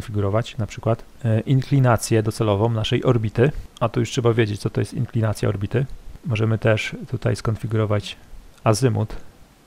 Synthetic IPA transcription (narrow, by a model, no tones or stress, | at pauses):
nfʲiɡuɾɔvat͡ɕnapʂɘkwat̪ | ʔiŋklʲinat̪sʲjɛd̪ɔt̪sɛlɔvɔ̃w̃naʂɛjʔɔɾbʲit̪ɘat̪ɔjuʂtʂɛbavʲjed͡ʑet͡ɕtsɔt̪ɔjɛst̪ḭŋklʲinat̪sʲja̰ɔɾbʲit̪ɘmɔʐɛmɘt̪ɛʂt̪ut̪ajskɔnfʲiɡuɾɔvat͡ɕazɘmṵt̪